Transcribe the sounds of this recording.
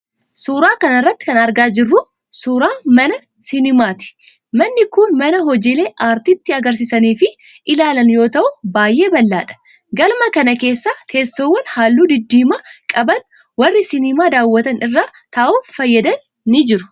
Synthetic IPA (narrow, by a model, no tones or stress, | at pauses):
suːɾaːkɐnɐrːɐt̪ːɪ̥kɐnɐɾɡaːd͡ʒɪrːʊ | suːɾaːmɐnɐ | sɪnɪmaːt̪ɪ̥ | mɐnːɪkuːnmɐnɐɦɔd͡ʒeːleːʔaːɾt̪iɪt̪ːɪɐɡɐɾs̬ɪsɐniːfɪ | ʔɪlaːlɐnjo̞ːt̪ɐʔʊbaːjʔe̞ːbɐlːa̰ːᶑɐ̥ | ɡɐlmɐkɐnɐke̞ːsːaːt̪ʰeːstːowːɐnhaːlːuːd̪ɪd̪ːiːmakʼɐbɐn | wɐrːɪsɪnɪmaːd̪aːwːɐt̪ɐnɪrːaːt̪ɐʔuːfɐjːɐd̪ɐnː | ɪd͡ʒɪɾʊ